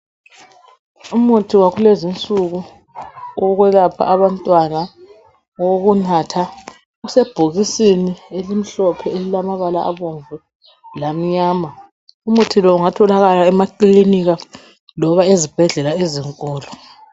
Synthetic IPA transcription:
umutʰiwaɣulezint͡sʼuɣu | ɔɣwɛlapʰa̰ʔaβantʼwana | woɣunatʰa | ɣusɛb̥ʱoɣisinielim̩ɬɔpʰɛelilamaβalaʔa̰βoɱvu | lam̩ɲaːma | umutʰilɔuŋatʰɔlaɣalaɛmakliniɣa | lɔβaezib̥ʱɛɮɛlaeziŋkʼɔːlɔ

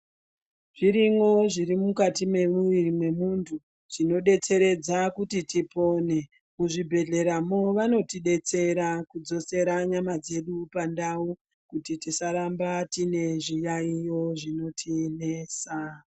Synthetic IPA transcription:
ʐ̥iɾiŋo̞ʐirimukatime̞muʋirimwe̞muntʰu | ʐ̥ino̞ɗe̞t͡se̞ɾe̞d͡zakutitipo̞ne̞ | kuʐibʱe̞ɮe̞ɾamo̞ʋano̞tiɗe̞t͡se̞ɾakud͡zo̞se̞ɾaɲamad͡ze̞ɗupandau | kutitisaɾambatine̞ʐijaijo̞ʐino̞tʰinesa

